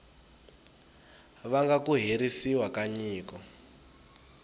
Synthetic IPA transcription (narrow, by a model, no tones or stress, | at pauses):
ʋaŋɡakuɦeɾisiwakaɲiːkɔ